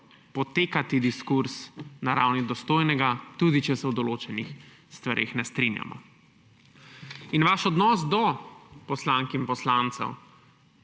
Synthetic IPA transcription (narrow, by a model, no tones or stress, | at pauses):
pɔt̪eːkat̪id̪iskuɾsnaɾawnid̪ɔst̪oːjnɛɡat̪ud̪it͡ʃɛsɛwd̪ɔloːt͡ʃɛnix | st̪ʋaɾʔḛxnɛst̪ɾinja̰mɔ̰ | inʋaʃɔd̪nɔːsd̪ɔpɔslaŋkimpɔslant̪sɛ̰w